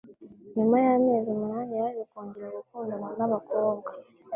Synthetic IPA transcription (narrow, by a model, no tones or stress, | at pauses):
nimajameːzimunaːɾijaɾiβekuːɲɡiɾauβukuːndomanaβako̞ːbɡa